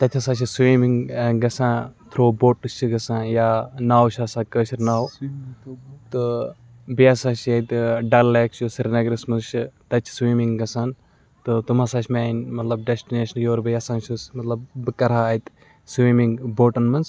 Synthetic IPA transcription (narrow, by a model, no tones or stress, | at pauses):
t̪ɐt̪ʲʰɐsaːt͡ʃʰiswiːmiŋɡɡɐsãːt̪ʰɾoːboːʈɨt͡ʃʰiɡɐsãːjaːnaːwt͡ʃʰaːsaːkəːʃiɾnaːw | t̪ɨ | bijasãːt͡ʃʰjɐt̪ɖɐlleːkt͡ʃjusiɾnɐɡɾismɐnzt͡ʃʰit̪ɐt͡ʃʰi̥swiːmiŋɡɡɐsaːn | t̪ɨt̪umasaːt͡ʃʰmaːnmɐt̪lɐb̚ɖesʈineːʃɐnjoːɾbijɐsãːnt͡ʃʰusmɐt̪lɐbːɨkɐɾaːɐt̪ | swiːmiŋɡboːʈɐnmɐnz